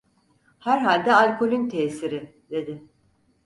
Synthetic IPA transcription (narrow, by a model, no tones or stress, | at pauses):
hæɾɦalʲd̪ɛalʲkʰo̞lʲynt̪ʰɛːsiɾɪ | d̪e̞d̪ɪ